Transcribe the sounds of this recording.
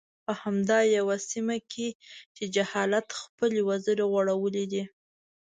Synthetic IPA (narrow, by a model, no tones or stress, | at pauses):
pəhamd̪ɑjawasimakʰet͡ʃed͡ʒahɑlat̪xpəlewazəɾeɣwaɽawəled̪i